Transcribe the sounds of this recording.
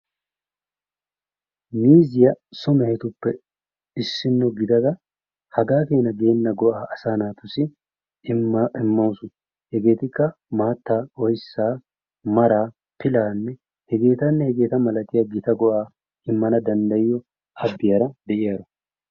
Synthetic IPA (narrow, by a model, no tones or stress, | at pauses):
miːzɪjɐsʊmɛhɛt̪ʊpːɛ | ɪsːɪnːɔɡɪd̪ɐd̪ɐ | hɐɡaːfeːnɐɡe̞ːnːɐɡɔʔaːʔɐsaːnaːt̪ʊsɪ | ɪmːɐwsʊ | hɛɡe̞ːt̪ɪkːɐ | maːt̪ːaːɔjsːaː | mɐɾaː | pɪlaːnːɛ | hɛɡe̞ːt̪ɐnːɛhɛɡe̞ːt̪ɐmɐlɐt̪ɪjɐɡɪt̪ɐɡɔʔaː | ɪmːɐnɐd̪ɐnd̪ɐjɪjɔ | ʔɐbːɪjɐɾɐd̪ɛʔɪjaːɾɔ